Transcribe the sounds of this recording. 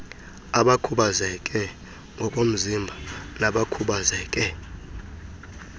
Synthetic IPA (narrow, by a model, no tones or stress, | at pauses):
aɓakʰuɓazɛkʼɛ | ŋɡʱɔkʼom̩zimbʱanaɓakʰuɓazɛkʼɛ